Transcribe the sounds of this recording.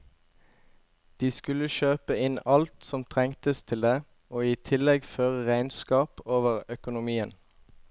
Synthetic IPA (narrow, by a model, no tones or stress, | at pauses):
d̪̥iːskʉləʃøːpəɪnɑlt̪sɔmt̪ʰʁɛŋt̪əst̪ʰɪld̪eː | oːiːt̪ʰɪlɛɡføːʁəʁæɪnskɑːpoːʋəʁœkʊnʊmiːən